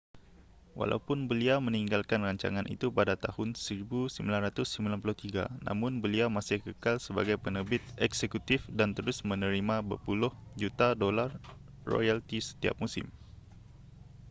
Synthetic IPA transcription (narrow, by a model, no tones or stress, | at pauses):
wa̰lʔa̰upʊnbəliaməniŋɡalkanraɲt͡ʃa̰ŋanʔḭt̪upadat̪ahʊnsəɾibusəmbilanrat̪ʊsːəmbilanpulʊht̪iɡa̰na̰mʊnbəliamasɪhkəkalsəba̰ɡajpənəbɪt̪̚ɛksekut̪ɪfdant̪əɾʊsmənəɾimabə̰pulʊhd͡ʒut̪adolarː | o̰jalt̪isə̥t̪ia̰p̚musɪ̰m